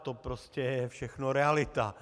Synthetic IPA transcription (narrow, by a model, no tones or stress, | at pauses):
t̪opɾoscɛjɛfʃɛxnoɾɛalɪt̪a